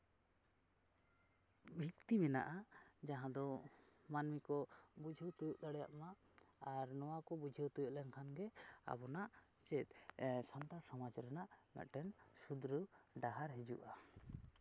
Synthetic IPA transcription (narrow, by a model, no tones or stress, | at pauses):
bʱikt̪imɛna̰ʔad͡ʒaɦãd̪ɔmanmikɔbud͡ʒʱiwt̪ujuʔd̪aɽɛja̰ʔmaː | ɾnɔwakɔbud͡ʒʱiwt̪ujuʔlɛnkʰanɡɛa̰bɔnaʔ | t͡ʃɛt̪̚sant̪aɾsɔmad͡ʒɾɛnaʔmɛ̰ʔʈɛnsud̪ɾuɖaɦaɾɦid͡ʒṵʔa